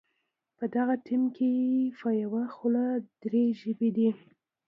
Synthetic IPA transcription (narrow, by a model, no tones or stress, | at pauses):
pəd̪aɣatimkʰejefɑjawaxolad̪̥ɾeʒəbed̪i